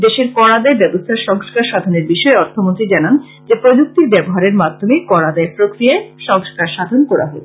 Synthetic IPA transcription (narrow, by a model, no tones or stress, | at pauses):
d̪eʃeɾkɔɽad̪aebɛbost̪ʰaɾʃɔŋskaɾʃad̪ʱoneɾbiʃɔeɔɾt̪ʰomont̪ɾid͡ʑanan | d͡ʑepɾod͡ʑuk̚t̪iɾbɛboɦaɾeɾmad̪ʱːomekɔɽad̪aepɾokɾijaeʃɔŋskaɾʃad̪ʱonkɔɾa̰ɦɔe